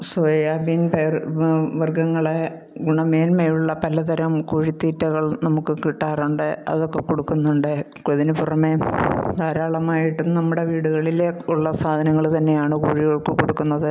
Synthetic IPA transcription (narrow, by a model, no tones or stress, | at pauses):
sojaːbinperʋɐrɡɐŋːɐɭe | ɡuɳɐmeːlmejuɭːɐpɐlɐt̪ɐɾɐmkuɻit̪ːiːtːɐɣɐɭnɐmukːɨkiʈːaːruɳɖɨɐ̰ðo̞kːe̞koɽukːunːuɳɖɨ | koðinɨpurɐme̞d̪aːɾaːɭɐmaːjiʈːunɐmːuɽe̞ʋiːɽuɣɐɭileuɭːɐsaːd̪ʱɐnɐŋːɐɭt̪ɐnːe̞jaːɳɨkuːɻiɣɐɭkːɨkoɽukːunːɐðɨ